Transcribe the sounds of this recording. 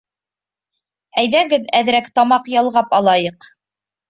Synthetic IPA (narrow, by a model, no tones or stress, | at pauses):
æjðæɡɘðæðɾækt̪ɑmɑqjɑlˠʁɑpɑlˠɑjɤq